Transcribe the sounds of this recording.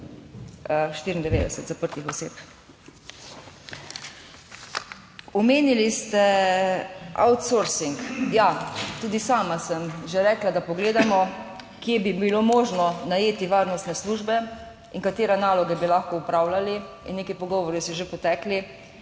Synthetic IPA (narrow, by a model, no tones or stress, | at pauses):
ʃt̪iɾind̪ɛʋeːd̪ɛsɛt̪zapəɾt̪ixɔseːp | ɔmeːnilist̪ɛ | ʔa̰wt̪soɾsiŋkjat̪uːd̪isaːmasəmʒeɾɛːklad̪apɔɡleːd̪amɔ | kjebibilomoːʒnɔnajeːt̪iʋaːɾnɔst̪nɛsluːʒbɛ | iŋkat̪eːɾɛnaːlɔɡɛbilaxkɔupɾawlali | ḭnːeːkipɔɡɔːʋɔɾjisɔʒepɔt̪ɛːkli